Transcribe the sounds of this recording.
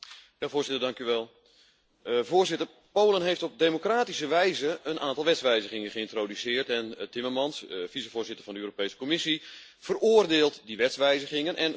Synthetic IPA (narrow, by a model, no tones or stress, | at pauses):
javʊːrzɪtərdɑŋkyʋɛlˠ | voːrzɪtər | powlənɦejftɔp̚deːmokraːtisəʋɛjzəənʔaːntɑlˠʋɛtsʋɛjzəχɪŋənχəɪntroːdysɪːərtɛntɪmərmɑnsv̥isəvʊːɹzɪtərvɑndəøːropejsə̥komɪsi | v̥əroːərdeːlˠtdiʋɛtsʋɛjzəχɪŋənʔɛn